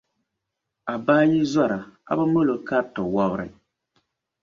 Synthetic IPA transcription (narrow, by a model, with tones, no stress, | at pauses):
a˨baː˦ji˦za˦ɾa˨a̰˦ba˦mo˦lo˨ka˦tɔ˨wa˦bɾɨ̰˨